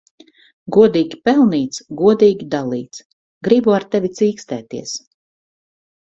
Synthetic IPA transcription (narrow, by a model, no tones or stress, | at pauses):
ɡuɔd̪iːɡʲipɛlˠniːt̪sɡuɔd̪iːɡʲid̪alˠiːt̪s | ɡɾibuaɾt̪ɛvʲit̪siːkst̪ɛːt̪iɛs